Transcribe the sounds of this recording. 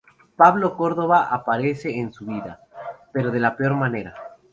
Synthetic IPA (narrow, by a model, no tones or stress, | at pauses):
paβlo̞ko̞ɾðo̞βaʔapaɾe̞se̞ːnsuβiða̰pe̞ɾo̞ð̞e̞lapeo̞ɾmane̞ɾa